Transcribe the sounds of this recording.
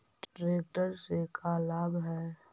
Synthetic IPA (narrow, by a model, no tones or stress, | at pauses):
ʈɾeːk̚ʈəɾsekʰalaːbɦɛː